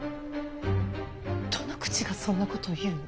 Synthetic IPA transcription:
t̪ʰonokɯ̟̥t͡ɕiɡasõ̞nːako̞t̪o̞ijɯn

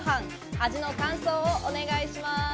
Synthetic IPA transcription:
ɦãŋ | aʑino̞kãɰ̃so̞ːoʔone̞ɡaiɕima

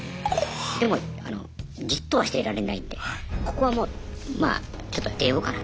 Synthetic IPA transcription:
d̪e̞mo̞a̰no̞̰d͡ʑit̪ːo̞βaɕi̥t̪e̞ɾaɾe̞naind̪e̞ko̞̥ko̞βamo̞ːma̰ːt͡ɕo̞t̪ːot̪eːoːkana

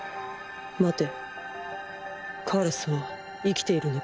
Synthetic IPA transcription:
mat̪e̞ | kʰaɾasɨβa | ikʲi̥t̪e̞iɾɯ̟no

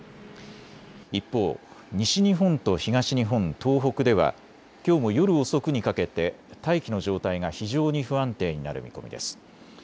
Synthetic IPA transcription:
ipːo̞ːɲ̟iɕiɲ̟iɦõ̞nt̪o̞çiɡaɕiɲiɦõ̞nt̪o̞ːɦo̞kɯ̟d̪e̞βa̰ | kʲo̞ːmo̞jo̞ɾɯ̟o̞so̞kɯ̟ɲ̟ikake̞t̪e̞ | t̪aikʲino̞ʑo̞ːt̪aiŋaçiʑo̞ːɲ̟iɸɯ̟ãnt̪e̞ːɲ̟ina̰ɾɯ̟̰mʲḭko̞mʲḭd̪e̞̰sɨ̥

